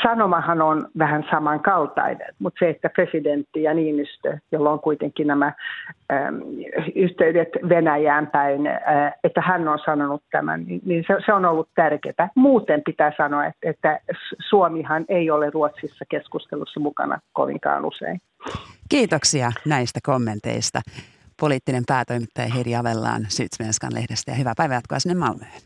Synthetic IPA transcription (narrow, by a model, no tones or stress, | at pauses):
sɑnomɑhɑnonʋæhænsɑmɑŋkɑlt̪ɑ̰inḛnt̪mut̪seet̪ːæpresident̪ːijɑniːnyst̪øjolːoŋkuit̪eŋkinæmæ̰ | yht̪eydet̪ʋenæjæːmpæinːet̪ːæhænːonsɑnonut̪t̪æ̰mæ̰nninninseseonolːut̪t̪ærkḛt̪æmuːt̪empit̪æːsɑnoɑet̪et̪ːæssuomihɑneioleruot̪sisːɑkeskust̪elusːɑmukɑ̰nɑ̰ko̰ʋḭŋkɑ̰ːnṵsḛin | kiːt̪oksiɑnæist̪ækomːe̞nt̪ḛist̪ɑ̰ | poliːt̪ːinempæːt̪oijmit̪ːɑjɑɦeɾiɑʋelːɑ̰ːnsy̰ːt̪smenskɑ̰nlʔḛhdest̪æ̰jɑhyʋæpæjʋæjɑt̪̚kuɑsinːemːɑlmøhn